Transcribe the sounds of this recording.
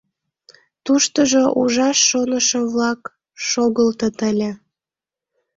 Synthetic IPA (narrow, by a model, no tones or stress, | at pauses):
t̪uʃt̪əʒoʔuʒɑʃːonəʃəβlɑk | ʃoɣəlt̪ət̪əlʲĕ